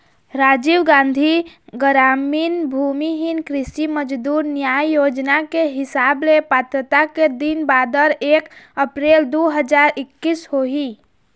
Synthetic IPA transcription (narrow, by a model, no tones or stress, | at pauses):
ɾaːd͡ʒiwɡãːnd̪ʱiɡəɾaːmiːnbʱumiɦɪnkɾɪsiməd͡ʒd̪uːɾnjaːjjoːd͡ʒnakeɦɪsaːblepaːt̪ɾət̪aked̪inbaːd̪əɾeːkəpɾeːld̪oɦəd͡ʒaːɾɪkːishoɦi